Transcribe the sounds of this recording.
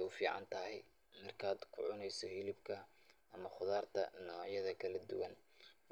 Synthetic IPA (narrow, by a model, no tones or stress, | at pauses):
ʊfiːʕɑ̰nt̪ʰɐɦɛj | mɐrkʰaːd̪kʰʊʕʊnɛjsɔhɪlɪbkʰɐ | ʔɐmɐχʊðaːrt̪ʰɐ̰nɔːʕjɐðɐkʰɐlɐd̪ʊ̰wɐn